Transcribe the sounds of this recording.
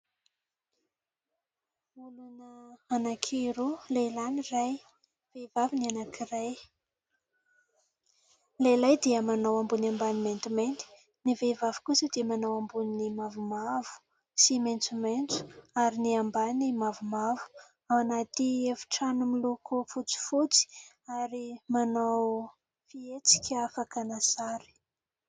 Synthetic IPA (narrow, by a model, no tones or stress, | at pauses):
ulanəanakʰiɾulelaniraj | vevavinianakiraj | lelajd̪iəmanawambuniambaniment̪iment̪i̥ | nivevavi̥kusəd̪iəmanawambuninimavumavu̥ | siment͡sument͡su̥aɾiniambanimavumavu̥ | awanat̪iefi̥ʈ͡ʂanumilukufut͡si̥fut͡si̥ | aɾimanaw | fiet͡si̥kʲafakanasaɾi̥